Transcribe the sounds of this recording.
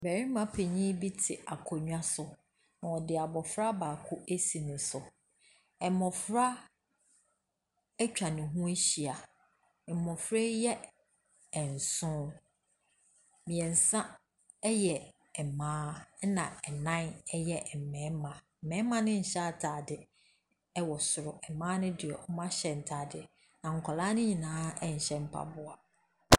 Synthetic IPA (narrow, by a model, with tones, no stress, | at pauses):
bæ˨ɾi˦mã˨pʰe˨ɲĩ˦bi˦tʰɪ˨a˨kʰɔ˨ɲᶣ˦ã˦sʊ˨ | nã˨ɔ˨dɪ˨a˨bɔ˨fɾa˦baː˨kʰʊ˦ʔe˦si˨nɪ̃˨sʊ˨ | ɛ˨mɔ̃˨fɾa˦ | ɛ˦t͡ɕᶣa˨nɪ̃˨ɦũ˦e˦ɕi˨a˨ | ɛ˨mɔ̃˨fɾe˦jɛ˦ | ɛ˨n̩˨sʊ̃˦ | mĩ˨ɛ̃˨n̩˨sã˦ | ɛ˦jɛ˨ | ɛ˨mãː˦nã˨ɛ˨nã˦nɛ˦jɛ˦ʔm̩˨mɛ̃˨˦mã˨m̩˨mɛ̃˨˦mã˦nɪ̃˦ɲ̩˨ɕɛ˦a˨tʰaː˨dɪ˨ | ɛ˦wɔ˨sʊ˨ɾʊ˨ɛ˨mãː˦nʊ̃˦dɪ˨ɛ˨ɔ˦mã˦ɕɛ˨n̩˨tʰaː˨dɪ˨ | nã˨ŋ̩˨kʰɔ˨laː˦nʊ̃˦ɲĩ˨nãː˦ɛ˦ɲ̩˨ɕɛ˦m̩˦pʰa̰˨bʊ˨a˨